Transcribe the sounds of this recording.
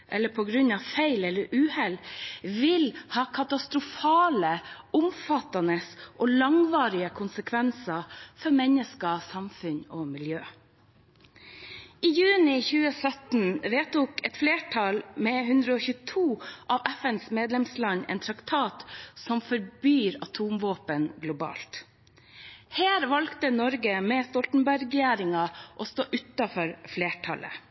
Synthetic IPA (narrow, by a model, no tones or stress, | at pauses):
ʔɛ̰ləpʰɔɡɾʉɲɑʋfeɪlɛlːəɾʉːhɛlʋɪlhɑːkʰɑt̪ɑst̪ɾʊfɑːləʊmfɑt̪ɑnəsʔɔːlɑŋʋɑːɾɪəkʰʊnsəkʰʋɛnsɑfɔɾmɛnəskəsɑmfʉɲɔmɪljøː | ʔɪjʉːnɪçʉːəsœt̪n̩ʋeːt̪uːkɛt̪fleːʈʰɑlmɛɦʉnd̪ɾəɔçʉːət̪ʰuːʔɑʋæfɛnsmeːd̪lɛmslɑɲɛ̰ːnt̪ʰɾɑkt̪ʰɑːt̪sɔmfɔɾbyːɾɑt̪ʰuːmʋoːpənɡlʊbɑ̰ːlt̪ | hæːɾʋɑlkt̪ənɔɾɡəmɛst̪ɔlt̪n̩bæɾɡjæːɾɪŋɑʔɔst̪oːʔʉt̪ɑfɔɾfleːʈʰɑ̰lə̰